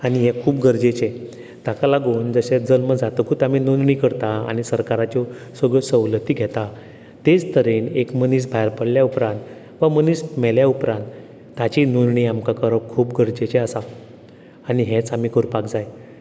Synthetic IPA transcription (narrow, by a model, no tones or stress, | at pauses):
aɽ̃iɦekʰuːp̚ɡʱəɾd͡ʑet͡ɕe | t̪akalaɡond͡zəɕed͡zəlməd͡zat̪əkʰut̪aminunɳiːkəɾt̪aa̰ɽ̃isəɾkaɾat͡ɕɔ | səɡɭɔsəwlət̪iːɡʱɛt̪a | t̪ed͡zt̪əɾiːnekməniːs̬bʱajɾpəɽljaupɾãnt̪ | ʋəmənismɛljaupɾãnt̪ː | at͡ɕinunɳiːamkakəɾəkʰuːpɡʱəɾd͡ʑet͡ɕeəsa | aɽiɦẽt͡samikəɾpakd͡zaj